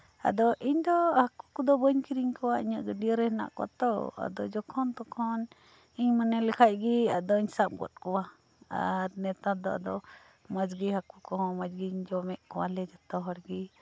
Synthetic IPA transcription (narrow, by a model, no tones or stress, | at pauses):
a̰d̪ɔʔiɲd̪ɔhakukɔd̪ɔbəɲkiɾiɲkɔwaiɲaʔɡəɖiəɾɛhna̰ʔkɔ̰t̪ɔa̰d̪ɔ̰d͡ʒɔkʰɔnt̪ɔkʰɔn | iɲmanɛlɛkʰac̚ɡiad̪ɔiɲsap̚ɡɔ̰t̪̚ˀkɔwa | a̰ɾnɛt̪ad̪ɔa̰d̪ɔ | mad͡ʒɡihakukɔɦɔ̃mad͡ʒɡiɲd͡ʒɔmɛʔkɔwalɛd͡ʒat̪ɔɦɔɾɡi